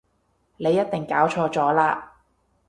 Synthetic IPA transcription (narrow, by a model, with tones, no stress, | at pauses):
ne˨˧jːɐ˥t̪̚ɪ˨ŋkaː˨˥wt͡ʃʰɔː˧t͡sɔː˨˥laː˧